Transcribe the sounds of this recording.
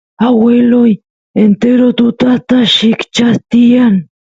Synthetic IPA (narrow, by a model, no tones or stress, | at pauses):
aweloj | ent̪eɾot̪ʊt̪at̪aʃɪkt͡ʃat̪ijan